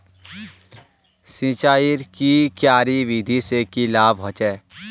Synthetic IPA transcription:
sĩːt͡ʃaːiɾkikjaːɾiʋid̪ʱisekilaːbɦɔ̃ːt͡ʃɛː

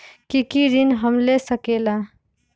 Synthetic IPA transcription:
kikiɾinɦəmlesəkela

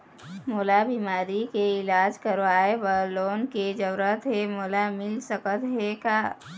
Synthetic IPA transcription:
moːlabimaːɾikeɪlaːd͡ʒkəɾʋaːebəɾloːnked͡ʒəɾət̪ɦemoːlamɪlsəkət̪ɦekaː

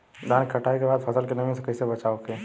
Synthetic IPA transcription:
d̪ʱaːnkɐʈʰaːekebaːd̪fʰɐsəlkenɐmĩsekɐɪsebɐt͡ʃaːoke

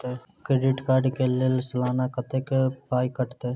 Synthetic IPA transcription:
e | kɾeːɖɪʈkaːɾɖkeːlelsəlaːnakət̪eːkpaːikəʈt̪eː

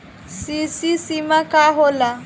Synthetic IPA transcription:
sɪsisimakʼaɦɔla

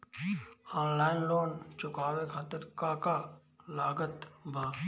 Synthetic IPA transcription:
ɔːnlaːɪnloːnt͡ʃʊkaːʋekʰaːt̪əɾkaka | laːɡət̪bʱaː

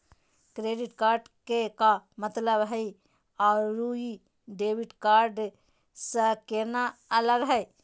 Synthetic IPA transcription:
kɾeɖiʈkaɾɖkekamət̪ləbɦəi | aɾːui | ɖebiʈkaɾɖ | sə̃keɾnaələɡɦəj

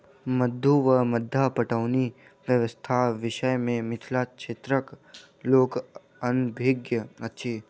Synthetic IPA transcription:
məd̪ʱːuʋəməd̪ʱːapəʈəʋni | ʋjəʋəst̪ʰaʋɪʃəjmẽmɪt̪ʰlaʃʰet̪ɾək | loːk | ənbʱeɡjəɐtːʃʰiː

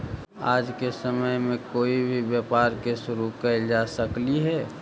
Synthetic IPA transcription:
aːd͡ʒkesəməjmẽkoːibʱibjapaːɾkeʃʊɾukəd͡ʒasəkliɦɛː

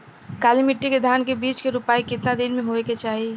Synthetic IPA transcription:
kaːlimɪʈːiked̪ʱaːnkebiːt͡ʃkeɾʊpaːikɪt̪nad̪inmẽɦoeket͡ʃaːɦi

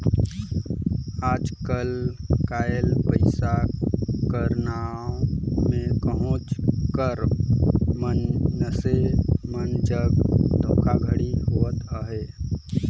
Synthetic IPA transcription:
aːd͡ʒkəlkaːjəlpəɪsa | kəɾnaːõmẽpəɦʊ̃t͡ʃkəɾ | mənːəsemənd͡ʒəbd̪ʱõːkʰaɡʱəɽiɦoːət̪əɦeː

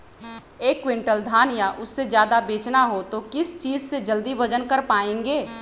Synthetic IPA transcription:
eːkːwɪ̃ɳʈəld̪ʱaːnjaʔʊsːed͡ʒjaːd̪abeːt͡ʃnaɦot̪okɪst͡ʃiːd͡ʒsed͡ʒəld̪iʋɐd͡ʒənkəɾpaːẽːŋɡeː

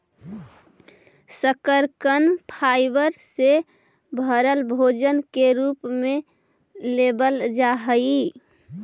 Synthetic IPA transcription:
səkəɾkənpʰajbəɾse | bʱəɾəlbʱod͡ʒənkeɾupme | lebəld͡ʒaɦəi

